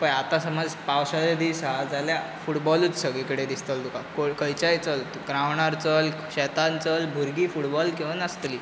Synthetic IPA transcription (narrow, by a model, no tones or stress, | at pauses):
pəjat̪asəməd͡zpawɕad̪ed̪isɦad͡zaljafuʈbɔluːt͡ssəɡikəɽed̪ist̪əld̪ukakokəjt͡ɕajt͡səlt̪kɾaʋɳaɾt͡səl | ɕɛt̪ant͡səlbʱuɾɡiːfuʈbɔlkiʋənəst̪liː